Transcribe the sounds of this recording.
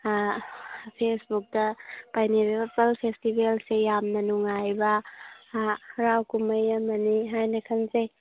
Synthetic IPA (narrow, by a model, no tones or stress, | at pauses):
pʰesbuk̚dɐpajniɾebɐpɐlpʰestibelsejamnɐnuŋajbɐ | ɾawkumɐjɐmɐniɦajnɐkʰɐnze